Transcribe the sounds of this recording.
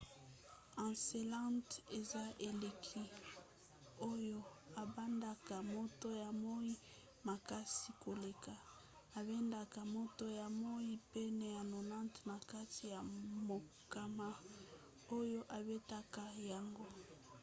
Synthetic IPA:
ã˨se˨lã˦nte˨za˦ʔe˨le˨kʰi˦ | o˦jo˦ | a˨ba˦nda˨ka˨mo˦to˦ja˨mo˦i˦ | ma˨ka˦si˨ko˨le˨ka˨ | a˨be˦nda˨ka˨mo˦to˦ja˨mo˦i˦pe˦nɛ˨ja˨no˨nã˦ntna˨ka˦ti˨ja˨mo˨ | ka˨ma˦ | o˦jo˦ʔa˨be˦ta˦ka˨ja˨ŋɡo˦

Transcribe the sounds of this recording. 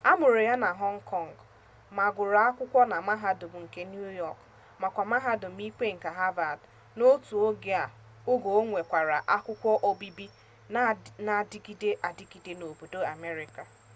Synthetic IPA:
a˦mʊ˨ɾo˨ja˦na˨ɦɔ˦ŋ̩˦kʰɔ˦˨ŋ˨ɡ | ma˨ɡʊ˨ɾa˨a˦kʷʊ˦kʷɔ˦na˨ma˦ɦa˦dʊ˨m̩˨ŋ̩˨ke˦nju˦jɔ˦˨k | ma˨kʷa˨ma˦ɦa˦dʊ˨m̩˦i˦ke˦ŋ̩˨ka˨ɦa˦va˨d | no˦tu˨o˦ɡe˦a˨ | o˦ɡo˨o˦ŋʷe˨kʷa˨ɾa˨ʔa˦kʷʊ˦kʷɔ˦ʔo˦bi˦bi˦ | na˨dki˦de˦ʔa˨di˦ki˨de˦no˨bo˨do˦a˨me˦ɾɪ˨ka˨

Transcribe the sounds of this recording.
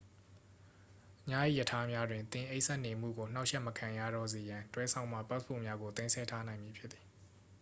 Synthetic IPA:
ʔəɲa˦˨jḭ˦˨jə˨tʰa˦mja˦dwɪ̃˨nt̪ɪ̃˨ʔe˦ɪʔsɛ˦˨ʔne˨m̥ṵ˦˨ɡo˨n̥a˦ʊʔʃɛ˦ʔməkʰã˨ja̰˦˨ɾɔ̰˦˨ze˨jã˨ntwɛ˦sʰã˨ʊ̃ma̰˦˨pa˦spʰṵ˦˨mja˦ɡo˨t̪ẽ˦ɪ̃nsʰɛ˦˨tʰa˦nã˨ɪ̃mji˨pʰjɪ˦t̪t̪ːi̥˨

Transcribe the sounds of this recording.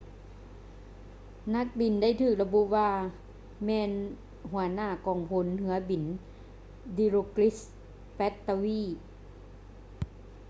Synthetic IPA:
na˧˦˥k̚bi˨˩nda˥˩jt̪ʰɯː˧˩k̚la˧bu˧˥ʔwaː˧ | mɛː˧n | hu˩˦ɐnaː˧˥˩kɔː˨˩ŋpʰo˧˦nhɯ˧˦ɐbi˨˩n | di˧˦ɾoː˧kli˦˥s | pɛ˦˥t̪ːa˧wiː˥˨

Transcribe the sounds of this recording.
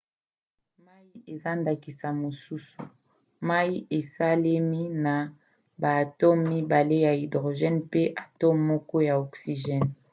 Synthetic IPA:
ma˦ji˦e˨za˦nda˨ki˨sa˨mo˨su˦su˨ | ma˦i˦ʔe˨sa˦le˦mi˦na˨ | ba˨tɔ˦mmi˦ba˨le˦ja˨i˨dʁo˨ʒɛ˦npe˦ʔa˨tɔ˦mːɔ˦kɔ˦ja˨ɔ˨ksi˨ʒɛ˦n

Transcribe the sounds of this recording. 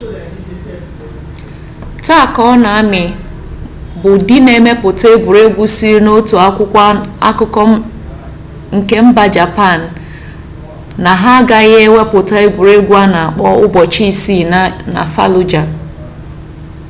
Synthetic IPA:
ta˦˨kɔ˦na˨a˦mɪ˨ | bʊ˨di˦ne˨me˦pʊ˨ta˦e˦ɡʷu˨ɾe˦ɡʷu˦si˦ɾi˦no˦tu˨a˦kʷʊ˦a̰˦kʊ˦kɔ˦ | ŋ̩˨ke˦m̩˦ba˨d͡ʒa˨pa˦˨n̩˨ | a˨ɦa˦ɡa˨ɣe˦wʷe˦pʊ˨ta˦e˦ɡʷu˨ɾe˦ɡʷu˦a˦na˨a˨k͡pɔ˦ʊ˦bɔ˨t͡ʃi˦˨si˦˨n˨na̰˨fa̰˦lʊ˨d͡ʒa˨

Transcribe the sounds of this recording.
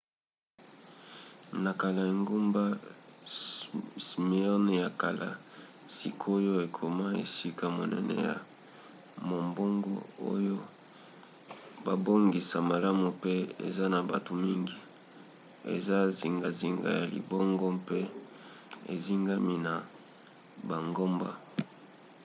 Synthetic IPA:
na˨ka˨la˨e˨ŋɡu˦mba˦ | si˨me˨ɔ˦n˨ja˨ka˨lʔa̰˨ | si˨kʰo˦jo˦e˨kʰo˨ma˦ḛ˨si˦ka˨mo˨nɛ̰˦nɛ̰˨ja̰˨ | mo˨mbo˦ŋɡo˦o̰˦jo˦ | ba˨bo˦ŋɡi˨sa˨ma˨la˦mu˨pe˦ḛ˨za˦na˨ba˨to˨mi˦ŋɡi˨ | ḛ˨za˦zi˨ŋɡa˨zi˨ŋɡa̰˨ja˨lḭ˨bɔ˦ŋɡɔ˦pe˦ | ḛ˨zi˦ŋɡa˦mi˦na˨ | ba˨ŋɡo˦mba̰˦

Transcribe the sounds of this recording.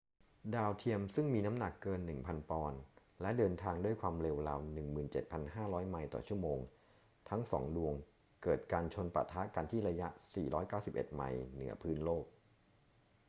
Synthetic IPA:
daː˧wt̪ʰi˧əmsɯ˥˩ŋmiː˧na˦˥mna˨˩kːɤː˧nːɯ˨˩ŋpʰa˧npɔː˧n | lɛ˦˥dɤː˧nt̪ʰaː˧ŋdu˥˩əjkʰwaː˧mɾe˧wla˧wnɯ˨˩ŋmɯː˨˩nt͡ɕe˨˩t̪̚pʰa˧nɦaː˥˩ɾɔː˦˥jma˧jt̪ɔ̰˨˩t͡ɕʰu˥˩əmoː˧ŋ | t̪ʰa˦˥ŋsɔ̰ː˩˦ŋdu˧əŋ | kɤː˨˩t̪̚kaː˧nt͡ɕʰo˧npa̰˨˩t̪ʰːa˦˥ka˧nt̪ʰiː˥˩ɾa˧ja˦˥ʔsḭː˨˩ɾɔː˦˥jkaː˥˩wsi˨˩p̚ʔḛ˨˩t̪̚ma̰˧jnɯ̰˩˦ɐpʰɯː˦˥nloː˥˩k̚

